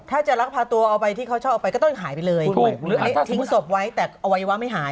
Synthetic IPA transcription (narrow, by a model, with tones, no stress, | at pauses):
t̪ʰaː˥˩t͡ɕa˨˩ʔɾa˦˥k̚pʰaː˧t̪u˧ɐʔa˧wpa˧jt̪ʰiː˥˩kʰt͡ɕʰɔː˥˩ʔa˧˩pa˧jkɔː˥˩t̪ŋɦaː˩˦jpa˧jlɤː˧jlɯː˨˦t̪ʰi˨˦ŋso˨˩p̚wa˦˥jt̪ɛː˨˩ʔa˧wa˧jwa˦˥ma˥˩jɦaː˩˦j